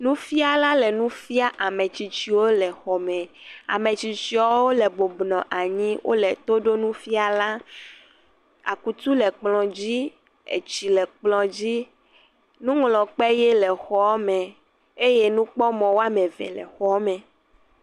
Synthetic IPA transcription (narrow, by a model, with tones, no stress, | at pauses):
nũ˦fi˦a˨la˦lɛ˨nũ˦fi˦a˦ʔa˨mẽ˨t͡ɕi˨t͡ɕi˨wo˦lɛ˨xɔ˨mɛ̃˨a̰˨mẽ˨t͡ɕi˨t͡ɕi˨ɔ˦wo˦lɛ˨bo˨bnɔ̃˨ʔa˨ɲĩ˦wʔo̰˦lɛ˨t̪o˦ɖo˦nũ˦fi˦a˨la˦ | a̰˨ku˨t̪u˦lɛ˨k͡plɔ̃˨d͡ʑi˦ | ḛ˨t͡ɕi˨lɛ˨k͡plɔ̃˨d͡ʑi˦ | nũ˦ŋlɔ̃˨k͡pɛ˦je˦lɛ˨xɔ˦mɛ̃˨ | e˦je˦nũ˦k͡pɔ˦mɔ̃˨wo˦a˦mẽ˨vɛ̰˨lɛ̰˨xɔ˦mɛ̃˨